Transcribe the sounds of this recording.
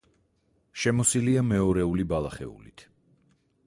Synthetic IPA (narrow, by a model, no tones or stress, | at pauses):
ʃɛmɔsiliamɛɔɾɛulibalˠaχɛ̰ṵlḭt̪ʰ